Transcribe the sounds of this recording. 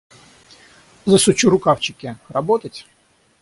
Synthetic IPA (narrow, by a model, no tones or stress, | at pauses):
zəsʊt͡ɕuɾʊkawt͡ɕɪkʲɪrɐbɔt̪ətʲ